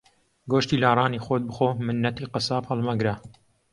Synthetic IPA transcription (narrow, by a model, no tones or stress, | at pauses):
ɡoːʃt̪iːlaːrˤɑːniːxoːt̪̚bɨxoːmɨnːɐt̪iːqɨsaːphɐlˠmɐɡɾa